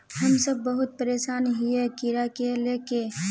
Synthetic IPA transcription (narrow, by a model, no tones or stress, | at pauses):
hɐmsəbːɐɦʊt̪̚pəɾeːʃaːnɦijekɪɾakeleːke